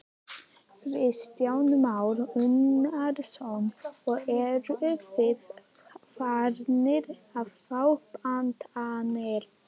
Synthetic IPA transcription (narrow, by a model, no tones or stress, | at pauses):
vɪðst̪jaːwnʏmawɾʏnaɾsownɔɣɛɾʏʔʏpvɪð | faɾnɪɾaðfawhpant̪aneɾ